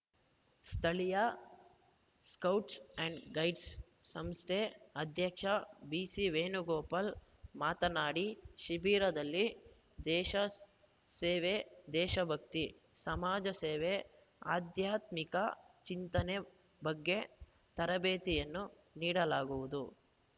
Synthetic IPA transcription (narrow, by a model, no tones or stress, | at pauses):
st̪ʰɐɭijɐ | skɐwʈsɛɳɖɡɐjɖsː | ɐmst̪ʰeɐd̪ʱjɐkʂɐbiːsiʋeːnuɡɔːpɐl | maːt̪ɐnaːɽiʃibiːɾɐd̪ɐlːi | d̪ɛːʃɐ | seːʋed̪ɛːʃɐbʱɐk̚t̪i | sɐmaːd͡ʒɐseːʋe | a̰ːd̪ʱjaːt̪mikɐt͡ʃint̪ɐne | bɐɡːe̞ | t̪ɐɾɐbeːt̪ijɐnːu | niːɽɐlaːɡuʋud̪u